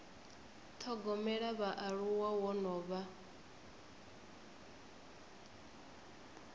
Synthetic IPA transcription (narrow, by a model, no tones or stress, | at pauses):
t̪ʰɔɡɔmɛɺaβaʔaɺuwawɔnɔːβa